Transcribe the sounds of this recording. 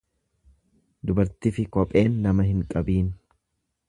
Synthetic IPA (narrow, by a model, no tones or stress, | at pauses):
d̪ʊbɐɾt̪ɪfɪkɔpʼe̞ːnːɐmɐɦɪŋkʼɐbiːn